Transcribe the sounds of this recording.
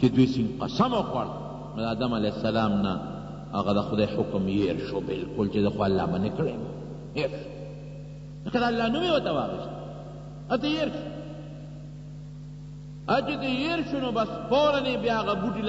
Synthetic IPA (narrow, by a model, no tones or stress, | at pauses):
ked̪wisĩŋqɐ̰sɐmoxwa̰ɽ | mɐd̪aːd̪ɐmalesɐlaːmna̰ː | ɣad̪ɐxʊd̪ajħʊkmjeɾʃobɪlkʊlt͡ʃed̪ɐxwaːlːa̰ːmanekɽema | eʃ | lekad̪aːlːaːnumewɐt̪ɐwa̰ːɣist̪ | at̪̬ejeːɾʃo̥ | at͡ʃet̪ejeɾʃonobɐsboɾɐnebjaɣabuʈil